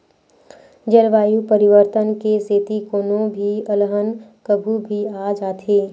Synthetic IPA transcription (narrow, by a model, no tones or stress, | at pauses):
d͡ʒəɾʋaːjupəɾɪʋəɾt̪ənkeseːt̪ikoːnobʱiəlɦənkəbʱubʱiaːd͡ʒaːt̪ʰeː